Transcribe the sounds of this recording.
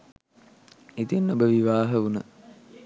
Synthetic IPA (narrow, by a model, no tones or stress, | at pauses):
it̪enːobəʋiʋaːɦəunə